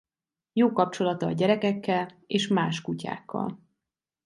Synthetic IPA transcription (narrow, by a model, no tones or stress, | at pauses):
joːkɒp̚t͡ʃo̞lɒt̪ɒːɟɛɾɛkɛkːɛl | eːʃmaːʃkuca̰ːkʰːɒ̰l